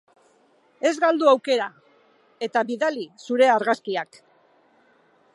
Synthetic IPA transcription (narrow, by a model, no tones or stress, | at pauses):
e̞zɣald̪uawke̞ɾa | e̞t̪aβiðalisuɾe̞aɾɣaskiak